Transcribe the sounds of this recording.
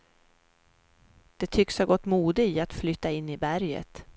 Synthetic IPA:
d̪̥ɛt̪ʰʏkshaɾɡɔt̪ːmuːd̪əiat̪flʏt̪ːaɪnːɪbæɾjə̰t̪

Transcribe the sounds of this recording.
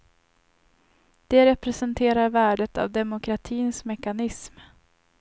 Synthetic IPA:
d̪̥ɛɾɛpɾɛsɛnt̪ʰeːɾaɾvæːɖət̪a̰vd̪ɛmʊkʰɾat̪ʰiːnsmɛkanɪsm

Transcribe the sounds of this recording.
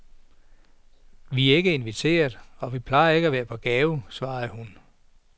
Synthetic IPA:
ʋiæe̝ɡ̥əe̝nʋit͡sʰe̝̰ːɐð̩ˠɒ̽ʋipʰlɑ̈ɪɐe̝ɡ̥əæʋæːɐpʰɒ̽ɡ̥ɛːʊsʋɑ̈ːðˠhun

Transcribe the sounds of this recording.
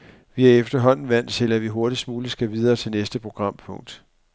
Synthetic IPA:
ʋiæɐefd̥ɐɦɒ̽n̰n̩ʋæn̰d̥t͡sʰe̝læʋiɦo̝ɐɾ̥ismuːləsɡ̥æʋið̞ˠɐːt͡sʰe̝lnesd̥əpʰʁo̝ɡ̥ʁɑ̈m̰pʰɔ̽ŋ̰d̥

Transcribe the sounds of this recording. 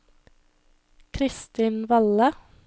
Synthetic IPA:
kʰɾɪst̪iːnʋɑlə

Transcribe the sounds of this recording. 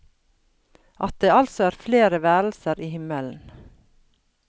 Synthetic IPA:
ʔɑt̪̚d̪eːɑlsɔæːɾfleːɾəʋæːɾl̩səɾʔiːhɪməln̩

